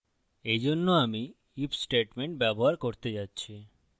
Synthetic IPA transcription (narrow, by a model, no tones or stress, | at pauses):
ed͡ʑonːoami | ipsʈeʈmeɳʈbɛboɦaɾkoɾt̪ed͡ʑatːɕʰi